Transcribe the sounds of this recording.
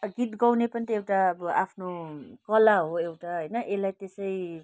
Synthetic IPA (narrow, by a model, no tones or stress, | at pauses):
ɡit̪ɡʌwnepʌnit̪ʌewʈaʌbʌʔapʰnokʌlaɦoewʈaɦʌjnʌʔelajt̪esʌi